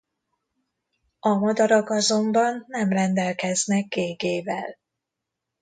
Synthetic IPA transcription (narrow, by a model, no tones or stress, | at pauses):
ɒmɒd̪ɒɾɒkɒzo̞mbɒnːɛmrɛnd̪ɛlkɛznɛɡ̚ɡeːɡeːvɛl